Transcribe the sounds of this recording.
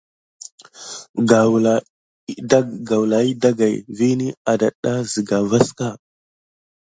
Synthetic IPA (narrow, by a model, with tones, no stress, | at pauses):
ɡa˨wla˨˦˨ | ɡa˨wla˨i˦da˦ɡa˨jvi˦ni˦a˨da˨ɗa˦zə˨ɡa˨va˦ska˦˨